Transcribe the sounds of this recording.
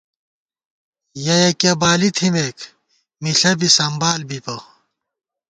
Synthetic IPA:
jɐjɐkebaːlit̪ʰimek | miɬɐbisɐmbaːlbipɐ

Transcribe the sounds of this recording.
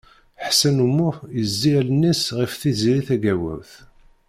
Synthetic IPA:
ħsænumːʊjəzːilənːisʁifθiziɾiθæɡæwæ̰wθ

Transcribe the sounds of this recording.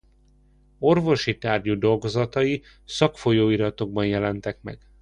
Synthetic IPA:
o̞rvo̞ʃit̪aːrɟud̪o̞lɡo̞zɒt̪ɒji | sɒkfo̞joːiɾɒt̪o̞ɡ̚bɒnjɛlɛnt̪ɛkmɛ̰ɡ̥

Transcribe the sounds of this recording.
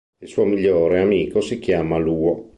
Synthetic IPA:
ilsuːomiʎːoːɾeamiːkosik̟jaːmaluːo

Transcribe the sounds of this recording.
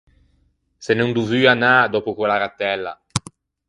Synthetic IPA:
senuŋd̪uvyanad̪ɔpukwɛlaɾat̪ɛlːa̰

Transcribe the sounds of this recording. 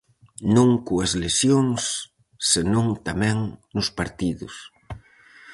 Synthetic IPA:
nõŋkuɐzlesjoŋsː | enõŋt̪amɛ̃ŋnʊspaɾt̪iðʊs

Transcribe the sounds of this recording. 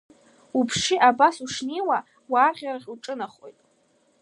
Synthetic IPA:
upʰʂiʔabasuʂnijwa | waːʁʲaraχʲuʈ͡ʂʼɨnaχo̰jtʼ

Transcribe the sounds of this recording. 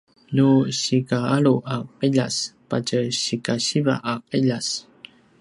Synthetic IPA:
nuɕikaaɭuʔaqiʎa̰spa̰cəɕikaɕiva̰ʔaqiʎas

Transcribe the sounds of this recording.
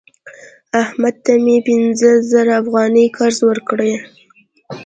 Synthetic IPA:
ahmad̪̚t̪amepɪnzəzaɾaːfɣɑnəjkʰɑɾzwəɾkɽəj

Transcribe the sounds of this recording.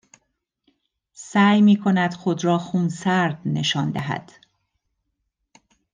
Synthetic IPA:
sæːjmiːkʰo̞næd̪̥xod̪ɾɒːxuːnsæɾd̪̥ne̞ʃɒːnd̪æɦæ̰d̪̥

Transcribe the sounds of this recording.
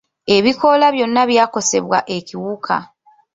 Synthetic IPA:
e̞βiko̞laβjo̞nːaβjaːko̞se̞̰βwaʔe̞ciwukʰa̰

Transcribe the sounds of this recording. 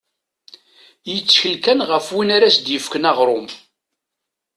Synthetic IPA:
jət͡sːçəlkænʁəfwinaɾæsd̪jəfkənɑʁɾˤʊm

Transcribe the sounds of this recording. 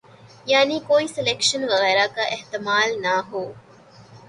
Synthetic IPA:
jaːniːkoiselekʃɐnʋɐɣɛːɾaːkaːʔeht̪imaːlnaːɦuː

